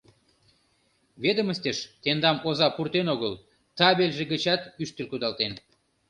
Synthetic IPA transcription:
βed̪əməst̪eʃt̪end̪ɑmozɑpurt̪enoɣəl | t̪ɑβelʲʒeɡət͡ɕɑt̪yʃt̪əlʲkud̪ɑlt̪en

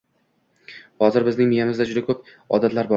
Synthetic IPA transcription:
hɒzɪɾbɪznɪŋmɪjamɪzd̪ad͡ʒʊd̪akʰɵp̚ | ɒ̰d̪at̪laɾbɒ

